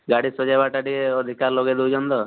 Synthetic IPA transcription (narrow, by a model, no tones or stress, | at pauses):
ɡaɽisɔd͡ʒajbaʈaʈieɔd̪ʱikaɾloɡed̪ewd͡ʒɔnd̪ɔ